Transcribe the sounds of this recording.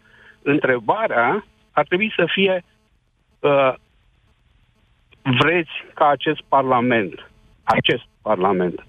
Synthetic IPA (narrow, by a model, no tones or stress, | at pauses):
ɨnt̪ɾe̞baɾea | art̪ɾe̞buisəfije̞ | ə | vɾe̞t̪sʲkaːt͡ʃe̞st̪̚parlame̞nt̪ | at͡ʃe̞st̪̚parlame̞nt̪